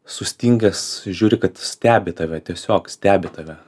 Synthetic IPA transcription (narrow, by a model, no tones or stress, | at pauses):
sʊsʲt̪ʲiŋʲɡʲɛsʒʲuːɾʲɪkɐt̪sʲt̪ʲæːbʲɪt̪ɐʋʲɛt̪ʲiɛsʲoːksʲt̪ʲæːbʲɪt̪ɐʋʲɛ